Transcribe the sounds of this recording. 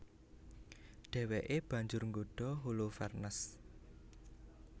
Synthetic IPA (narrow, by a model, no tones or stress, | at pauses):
ɖ̥ɛ̤weʔeb̥ä̤ɲd͡ʒʊrŋɡoɖ̥ɔ̤ɦulufɛrnəs